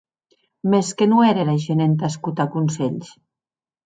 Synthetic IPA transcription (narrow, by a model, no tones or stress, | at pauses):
meskenueɾelaʒenent̪askut̪akunseʎs